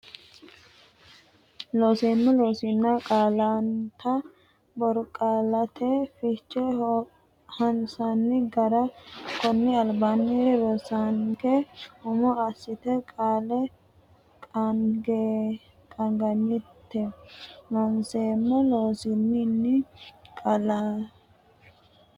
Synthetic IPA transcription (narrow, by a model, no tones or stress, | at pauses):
loːseːmːɔloːsɪnːɐkʼaːlant̪ʰɐ | bɔɾkʼaːlɐt̪ʰɛfɪt͡ʃːɛ | hɐnsɐnːɪɡɐɾɐkɔnːɪɐlbanːɪɾɔsaŋkɛhʊmɔɐsːɪt̪ɛkʼaːlɛ | kʼɐɡe | kʼɐŋɡɐnːɪt̪ːɛlɔnseːmːɔloːsɪnːɪnːɪkʼɐlaː